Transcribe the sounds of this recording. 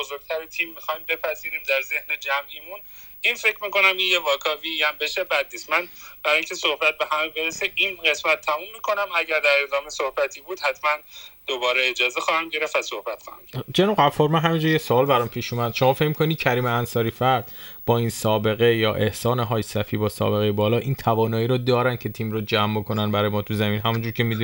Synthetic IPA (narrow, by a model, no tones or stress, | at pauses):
bozoɾɡ̚t̪ʰæɾet̪ʰimːixɒːimbe̞pʰæziːɾiːmd̪æɾze̞hned͡ʒæmʔimun | infecʰɾmiːko̞næminjevɒːkʰɒːviæmbe̞ʃebæd̪niːst̪mænb̥æɾɒːjiŋcʰe̞sohbæt̪̚be̞hæmebe̞ɾeseʔinɢe̞smæt̪ʰːæmumːiːkʰo̞næmæɟæɾd̪æɾed̪ɒːmesohbæt̪ʰiːbuːd̪hæt̪ʰmænd̪̥obɒːɾeed͡ʒɒːzexɒːhæmɟe̞ɾeftæsohb̥æt̪xɒ̰ːhæ̰md͡ʒenuʁæfːɒɾmænɦæmind͡ʒuːɾjesoɒːlbæɾɒːmpʰiːʃuːmæd̪̥ʃo̞mɒːfe̞cmikʰonid̪̚cʰæɾiːmeænsɒːɾiːfæɾd̪̥b̥ɒːinsɒːbe̞ɣe̞jɒːʔe̞hsɒːneɦɒːjsæfiːbɒːsɒ̰ːbe̞ɣejebɒːlɒːʔiːnt̪ʰævɒːnɒːiːɾɔːd̪ɒːɾæn̥cʰe̞t̪ʰiːmɾod͡ʒæmbokʰonænbæɾːjemɒːt̪ʰuzæmiːnɦæmund͡ʒuːɾcʰe̞mid̪